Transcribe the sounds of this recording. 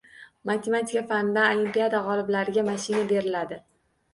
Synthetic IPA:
mat̪ʰemat̪ʰi̥kafand̪aalimpijad̪aʁɒlˠɪblaɾɪɡʲamaʃɪnabe̞ɾɪlad̪ɪ

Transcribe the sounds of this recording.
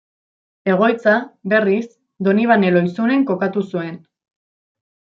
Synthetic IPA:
e̞ɣ̞o̞jt͡saβe̞ris | d̪o̞niβ̞ane̞lo̞isune̞ŋko̞kat̪usue̞n

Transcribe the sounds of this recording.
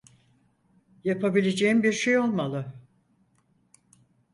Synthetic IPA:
japʰabilʲed͡ʒeimbiɾʃe̞jo̞lˠmalˠɯ

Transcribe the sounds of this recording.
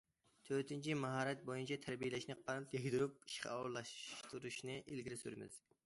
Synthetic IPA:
t̪ʰøɾt̪ʰɪnt͡ʃʰimɑɦɑːɾɛt̪̚bojunt͡ʃʰɑt̪ʰæɾbijelɛʃnɪqʰɑɾp̪̚jɑɡʲd̪uɾup̚i̥ʃqʲɛ̰ɑwɾlˠɑʃt̪uɾuʃnɨʔelɡʲiɾɪsyɾɪmɪ̰z̥

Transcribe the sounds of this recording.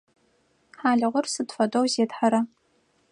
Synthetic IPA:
ħaːɮɨʁʷʊrsɨdfɐdowzeːdħaɾɐ

